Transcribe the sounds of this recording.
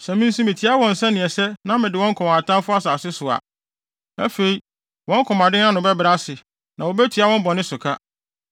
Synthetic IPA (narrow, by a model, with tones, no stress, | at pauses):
sɛ˨mĩ˦n˦sĩ˦mɪ̃˨tʰi˦a˦wɔ̃˨n̩˨sɛ˦nɪ̃˨ɛ˨sɛ˦nã˦mɪ̃˨dɪ˨wɔ̃˦ŋ̩˦kʰɔ̃˨m˨a˨tʰã˦mfʊ˦a˦saː˨sɪ˦sʊ˨a̰˨ | æ̰˦fe˨i˨ | wɔ̃˦ŋ̩˦kʰɔ̃˨ma˨dɪ̃˦n˦ã˦nʊ̃˨bɛ˦bɾa˦sɪ˨ | nã˨wɔ˨bɛ˦tʰi˨a˦wɔ̃˦m˦bɔ˨nɪ̃˦sʊ˨kʰa˦